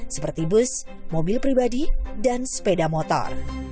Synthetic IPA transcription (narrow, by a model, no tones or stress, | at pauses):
sə̥pərt̪ibʊs | mobɪlpɾibadidanspedamɔt̪ɔ̰r